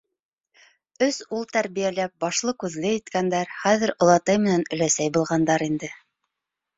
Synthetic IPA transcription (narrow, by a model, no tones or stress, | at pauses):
ɵsulˠt̪æɾβijælæp̚bɑʃlˠɤkʉðlɘjit̪kænd̪æɾχæðɘ̆ɾŏlˠɑt̪ɑjmɘ̆nænɵ̆læsæjbulˠʁɑnd̪ɑɾind̪ɘ